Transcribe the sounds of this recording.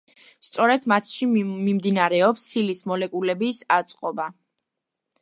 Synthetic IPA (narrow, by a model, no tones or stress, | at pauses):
st̪sʼɔɾɛd̪̥mat̪ʰʃimimd̪inaɾɛɔpsːilismɔlɛkʼulɛbisat̪sʼqʼɔba